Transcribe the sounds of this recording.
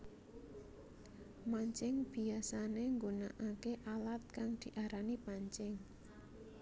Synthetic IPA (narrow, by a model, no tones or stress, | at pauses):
maɲt͡ʃɪŋb̥i̤asaneŋɡonaʔakeʔalat̪̚kaŋd̪̥i̤ʔaɾanipaɲt͡ʃɪŋ